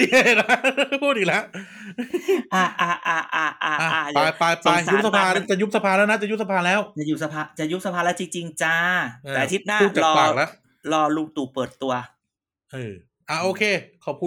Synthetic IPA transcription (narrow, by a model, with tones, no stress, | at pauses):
e˥˩la˦˥pʰuː˥˩t̪̚ʔi˨˩la˦˥ʔ | ʔaː˧˩ʔaː˧˩ʔaː˧ʔaː˧ʔaː˧˩˧ʔaː˧˩ja˧jpa˧jt͡ɕa˧˩˧sau˦˥˦sa˧pʰaː˧na˥t͡ɕa˨˩ju˦˥p̚sa˧pʰaː˧lɛ˦˥na˦˥˩t͡ɕa˨ju˦˥p̚sa˧pʰaː˧lɛː˦˥wt͡ɕa˨˩juː˦˥sa˧pʰaː˧˩t͡ɕa˨˩ju˦˥p̚sa˧pʰaː˧lɛ˦˥wt͡ɕi˧ŋt͡ɕi˧ŋt͡ɕa˧t̪ɛː˨˩˨a˧t̪ʰi˦˥p̪̚naː˥u˧˥˩t͡ɕa˨lɔː˩˧aː˨k̚la˦˥ʔ | lɔː˧luː˧k̚t̪uː˨˩pɤː˨˩t̪ːu˧ɐ | ʔɤː˧˩ | ʔaː˧˩ʔoː˧kʰeː˧kʰa˨˩wpʰuː˥˩